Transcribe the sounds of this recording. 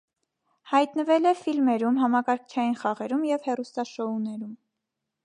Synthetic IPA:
hɑjt̪nəvɛlɛfilmɛɾumɦɑmɑkɑɾkʰt͡ʃʰɑjinχɑʁɛɾumjɛvhɛrust̪ɑʃɔunɛɾum

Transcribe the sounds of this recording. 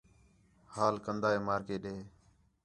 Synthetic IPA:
haːlkənd̪aːeːmaːɾkeːɗeː

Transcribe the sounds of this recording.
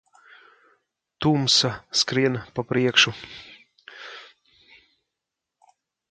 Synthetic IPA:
t̪umsaskɾiɛnpapɾiɛkʃu

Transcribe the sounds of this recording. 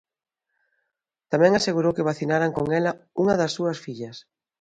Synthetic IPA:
t̪amɛ̃ŋaseɣuɾowkɪβaθinaɾaŋkoŋɛlɐuŋɐðɐsːuɐsfiʎɐs

